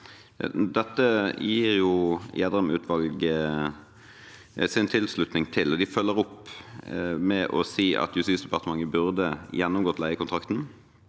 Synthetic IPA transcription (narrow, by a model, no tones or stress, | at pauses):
d̪ɛt̪ːəjiːʁjʊjæːd̪ʁəmʉːt̪ʰʋɑlɡ | sɪnt̪ʰɪlslʉt̪nɪŋt̪ʰɪlːɔd̪ɪfœlːəʁɔp | mɛʔɔsiːʔɑ̰t̪jʉst̪iːsd̪ɛpɑʁt̪əmɑŋːəbʉʁd̪əjɛnːʊmɡoːt̪ːlæɪəkʰʊnt̪ʰʁɑkt̪n̩